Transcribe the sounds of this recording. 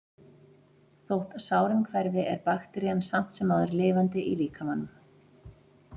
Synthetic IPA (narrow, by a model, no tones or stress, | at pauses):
θowht̪aðsaːwɾɪmkʰvɛɾvɪɛ̰ɾpaxt̪ɾiansam̥t̪sɛmːaːðɛɾlɪːvant̪ɪʔḭliːkamanːʏm